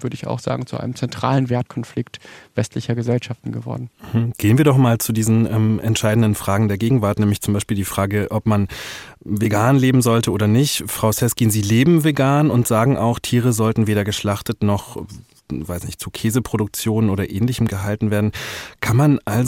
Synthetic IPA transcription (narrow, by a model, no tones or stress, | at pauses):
v̥ʏɐdəɪça̰ʊxz̥a̰ːɡŋ̩t͡suʔaɪnəmt͡sɛntʁ̥a̰ːlənvɛːɐt̚kʰɔnflɪktv̥ɛstʰlɪçɐɡəzɛlʃaftn̩ɡəvɔ̰ɐdn̩m̩ɡ̥eːənviːɐdɔχmaːlt͡sudiːzn̩ʔɛmʔɛ̰ntʃaɪdn̩dənfʁ̥aːɡŋ̩deːɐɡeːɡŋ̩vaɐtnɛːmlɪçt͡sʊmbaɪʃpiːldiːfʁ̥aːɡəʔɔpman | veɡaːnleːbm̩zɔltəʔoːdɐnɪçtfʁ̥aʊsɛskiːnziːleːbm̩veɡaːnʊntz̥aːɡŋ̩ʔa̰ʊxtʰiːʁ̞əzɔltn̩veːɾɐɡəʃlaχtətnɔχ | vaɪsnɪçtt͡sukʰɛːzəpʁ̥oɾʊk̚t͡sjoːnənʔoːɾɐʔɛːnlɪçəmɡəɦaltn̩veːɐdn̩kʰanmanʔalz